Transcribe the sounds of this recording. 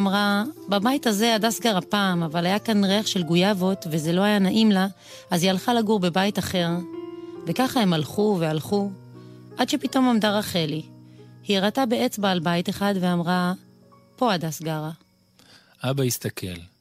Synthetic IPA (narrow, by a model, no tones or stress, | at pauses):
amʁababajithaze̞adasɡaʁapaːmavalajakanʁeaχʃe̞lɡujavo̞tve̞ze̞lo̞ajanaʔimla | azhialχalaɡuʁbe̞bajitaχe̞ʁve̞kaχahe̞malχuvealχu | ʔadʃe̞pito̞momdaʁaχelihiʁatabeet͡sbaːlbajiteχadveamʁa | po̞adasɡaʁa | ʔabaist̪akʰḛl